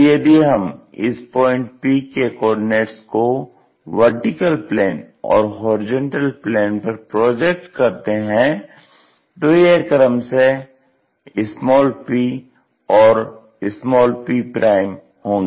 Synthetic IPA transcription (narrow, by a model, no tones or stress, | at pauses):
jeb̪ʱiɦɐmɪ̰spɔːɪ̃ɳʈ̚piːkekɔːɾɖɪneːʈsko | ʋəɾʈɪkəlpleːn | ɔ̰ːɾɦɔːɾɪd͡ʒə̃ɳʈəlpleːnpɐɾpɾɔːd͡ʒek̚ʈkɐɾt̪eɦɛ̃ | d̪oːjeəɾkəɾəmse | ɪsmɔːlpiː | ɔːɾ | ɪsmɔːlpiːpɾaːɪm | hõːŋɡeː